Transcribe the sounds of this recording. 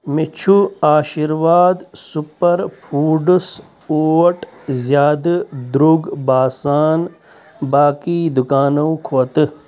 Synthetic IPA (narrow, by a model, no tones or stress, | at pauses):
mit͡ʃʰuaːʃiɾʋaːd̪supɐɾpʰuːɖus | oːʈzjaːd̪ɨd̪ɾuɡbaːsaːn | baːkiːd̪ukaːnɐwkʰoːt̪ɨ